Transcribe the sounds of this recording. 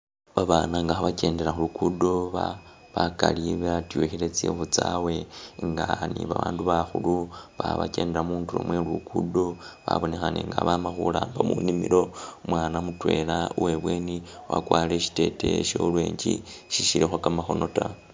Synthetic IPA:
βaβaːnaŋɡaxaβace̞ːndeɾaxulukudo̞βa | βakaliβeatjoxilet͡sḛxut͡sawe̞ŋɡaniβaβaːnduβaxuluβaβake̞ːndeɾamuːntulo̰mwelukʰudo̞βa̰βo̞nexaneŋɡaβamaxulaːmbamunimiɾo̞mwaːnamutwe̞ːlauwe̞βwe̞ːniwa̰kwaːleʃi̥te̞teʃolweːɲd͡ʒiʃiʃiɾexwakamaxo̞no̞ta

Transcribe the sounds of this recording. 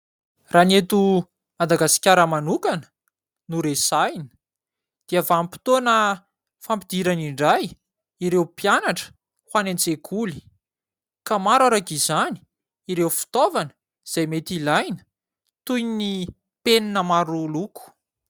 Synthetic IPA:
ranet̪u | mad̪aɡasi̥kʲaɾəmanukanə̥ | nuɾesajnə̥ | d̪̥iavampi̥t̪onə | fampid̪̥iɾaniɳɖ͡ʐaj | iɾewpjanaʈ͡ʂə̥ | hwanent͡sekʰuli̥ | kamaɾaɾakizani̥ | iɾewfi̥t̪ovanə | z̥ajmet̪ilajnə̥ | t̪ujni | peninəmaɾuluku̥

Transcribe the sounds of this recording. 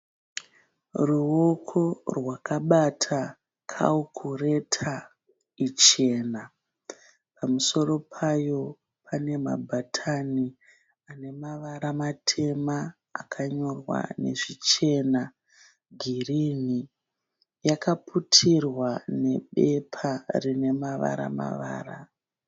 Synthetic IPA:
ruo̞kʰo̞rwakaɓatʰa | kʰa̰ukʰure̞tʰa | it͡ʃe̞na | pamuso̞ɾo̞pʰajo̞ | pʰane̞ma̰bʱatʰani | ane̞maʋaɾamatʰe̞ma̰ː | kʰaɲo̞rwa̰ne̞̰ʐit͡ʃe̞na | ɡʱirini | jakaputʰirwane̞ɓe̞pʰarine̞maʋa̰ɾa̰ma̰ʋa̰ːra̰

